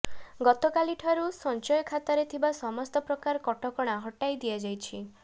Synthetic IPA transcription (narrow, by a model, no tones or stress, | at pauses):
ɡɔt̪ɔkaliʈʰaɾusɔnt͡ʃɔjɔkʰat̪aɾet̪ʰibasɔmɔst̪ɔpɾɔkaɾkɔʈɔkɔɽ̃aɦɔʈajd̪ijad͡ʒajt͡ʃʰi